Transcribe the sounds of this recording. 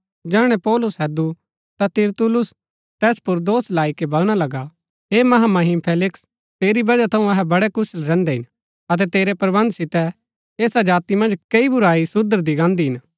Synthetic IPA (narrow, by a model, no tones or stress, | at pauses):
d͡ʒɛːɽ̃ɛpɔːlʊsɦɛːd̪u | t̪at̪ɪɾt̪ʊlʊs | t̪ɛːspʊɾd̪oːslaːikebɐlɽ̃alɐɡa | ɦemɐɦamɐɦɪmpʰeːlɪks | t̪eːɾibɐd͡ʒat̪ʰɐ̃ũɐɦɛbɐɽɛkʊslɾɛ̃ːnd̪ɛɦɪn | ɐt̪̬ɛt̪eːɾɛpɾɐbɐ̃nd̪sɪt̪ɛ | eːsad͡ʒaːt̪imɐ̃nd͡ʒkɐibʊɾaːisʊd̪əɾd̪iɡãːnd̪iɦɪn